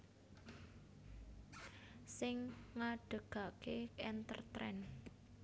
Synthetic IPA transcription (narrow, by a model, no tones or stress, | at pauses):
sɪŋŋaɖ̥ə̤ɡ̥a̤ʔkekɛnt̪ə̰rt̪ɾɛ̰n